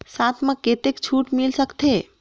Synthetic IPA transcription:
sat̪ʰmẽket̪ekt͡ʃʰuʈmilsəkt̪ʰe

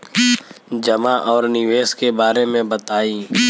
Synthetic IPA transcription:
d͡ʒəmaʔɔːɾnɪʋeːskebaːɾemẽbət̪aːiː

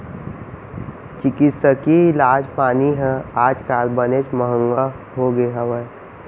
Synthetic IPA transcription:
t͡ʃɪkɪt̪səkiɪlaːd͡ʒpaːniɦɛ̃aːd͡ʒkaːlbənet͡ʃməɦə̃ŋɡa | hoɡeɦəwə

